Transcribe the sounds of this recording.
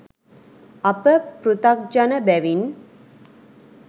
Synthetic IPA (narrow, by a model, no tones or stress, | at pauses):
ɐpəpɾut̪ak̚d͡ʒanəbæʋin